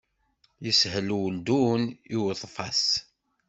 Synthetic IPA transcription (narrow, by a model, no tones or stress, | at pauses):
jəshəlwəld̪uniwðˤfɑ̰s